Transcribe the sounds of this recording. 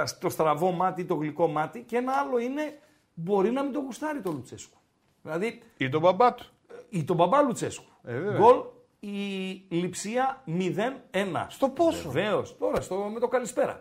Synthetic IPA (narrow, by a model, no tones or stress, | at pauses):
st̪o̞st̪ɾɐvo̞mɐt̪it̪o̞ɣliko̞mɐt̪icee̞nɐɐlo̞ine̞ | bo̞ɾinɐmind̪o̞ɣust̪ɐɾit̪o̞lut͡se̞̰sku̥ | ðilɐði | it̪̬obɐbɐt̪u̥ | it̪o̞bɐbɐlut͡se̞sku̥veveɡo̞l | ilipsiɐmiðe̞ne̞nɐ̰st̪oposeove̞o̞st̪o̞ɾɐst̪omet̪o̞kɐlispe̞ɾɐ̰